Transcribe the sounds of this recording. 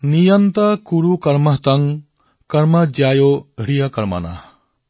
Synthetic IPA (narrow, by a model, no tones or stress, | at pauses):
nijɐnt̪akuɾukɐɾmaɦt̪aŋ | kɐɾmɐd͡ʒjajoɦɾijakɐɾma̰na̰